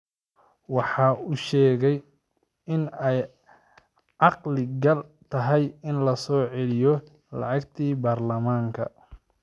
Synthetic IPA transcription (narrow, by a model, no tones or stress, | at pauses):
wɑħɑːʊʃɛːɣɛj | ɪnɛj | ʕɑqlɪɡɐlt̪ʰɐɦɛjɪnlɐsɔːʕɛlɪjɔ | lɑ̰ʕɑɡt̪ʰiːbaːrlɐmaːŋkʰɐ̰